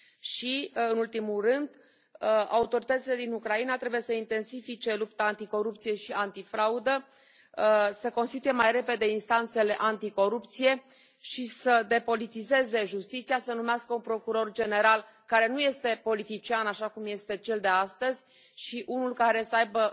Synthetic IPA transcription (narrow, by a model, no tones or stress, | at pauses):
ʃiɨnult̪imulrɨnd̪ | a̰ut̪o̞ɾit̪ət̪sile̞d̪inukɾainat̪ɾe̞buje̞səint̪e̞nsifit͡ʃe̞lup̚t̪aːnt̪iko̞ɾup̚t̪sije̞ʃiant̪ifɾaud̪ə | səko̞nst̪it̪ujemajre̞pe̞d̪e̞inst̪ant̪se̞le̞ʔant̪iko̞ɾup̚t̪sije̞ | ʃisəd̪e̞po̞lit̪ize̞ze̞ʒust̪it̪sijasənumeaskəunpɾo̞kuɾo̞rd͡ʒe̞ne̞ɾal | kaɾe̞nuje̞st̪e̞po̞lit̪it͡ʃianaʃakumje̞st̪e̞t͡ʃe̞ld̪e̞ast̪əzʲ | ʃiʔunulkaɾe̞səajbə